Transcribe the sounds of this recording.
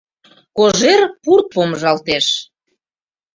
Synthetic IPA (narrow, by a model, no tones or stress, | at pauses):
koʒerpurk̚pomʒɑlt̪eʃ